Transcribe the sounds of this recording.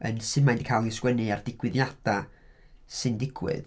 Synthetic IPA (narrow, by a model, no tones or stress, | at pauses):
ə̰nsɨdmajndi̥kʰajlˠɪskwɛnɨardɪɡ̥wɨðjad̥a | sɨndɪɡ̥wɨ̰ð